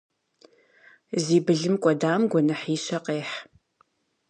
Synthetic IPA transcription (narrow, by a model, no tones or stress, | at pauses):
ziːbɨɮɨmkʷʼɔdaːmɡʷɔnɐħiːɕɐqeːħ